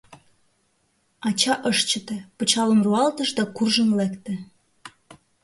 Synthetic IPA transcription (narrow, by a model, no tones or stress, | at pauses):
ɑt͡ɕɑʔəʃt͡ɕə̆t̪epət͡ɕɑləmruɑlt̪əʃd̪ɑkurʒənlækt̪ĕ